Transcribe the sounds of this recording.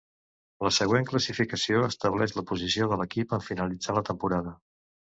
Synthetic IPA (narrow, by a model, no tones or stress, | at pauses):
ləsəɣ̞weŋkləsifikəsioəst̪əβ̞lɛʒləpuzisioðələkipəɱfinəlid͡zalət̪əmpuɾaðə